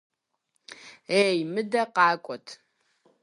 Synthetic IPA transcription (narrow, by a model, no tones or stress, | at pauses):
ejmɨdɐqɑːkʷʼɔtʰ